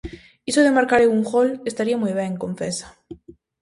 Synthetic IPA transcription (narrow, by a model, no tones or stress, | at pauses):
isoðemaɾkaɾeuŋxolest̪aɾiamujβ̞ɛŋkõɱfesḁ